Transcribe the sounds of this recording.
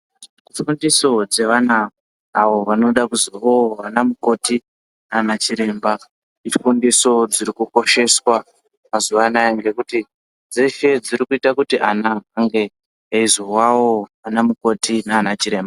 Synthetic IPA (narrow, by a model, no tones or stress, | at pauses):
ifundiso̞d͡ze̞ʋanaː | ʋo̞ʋano̞ɗakuzuoʋanamuko̞ti | naːnat͡ʃiɾe̞mba | ifundiso̞d͡ziɾikuko̞ʃe̞swa | mazuʋanajeŋɡe̞kuti | d͡zeʃe̞d͡ziɾikuitakutiʔanaːŋɡe̞ | izuwawoʋanamuko̞tinaːnat͡ʃiɾe̞ːmba